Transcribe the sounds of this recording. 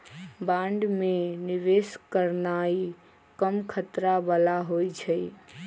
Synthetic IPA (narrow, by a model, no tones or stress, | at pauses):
bãɳɖmeniʋeskəɾnai | kəmkʰət̪ɾabəlaɦojt͡ʃʰə